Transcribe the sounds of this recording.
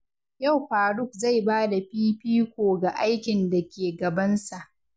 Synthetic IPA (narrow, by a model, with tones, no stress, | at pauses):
ja˦˨wɸaː˨ɽʊ˦˨k̚za˦˨jbaː˦da˨ɸiː˦ɸiː˦kʷoː˨ɡa˨ʔa˦jkʲɪ˨nda˨kʲeː˨ɡɐ˨bɐ˦nsa˨ʔ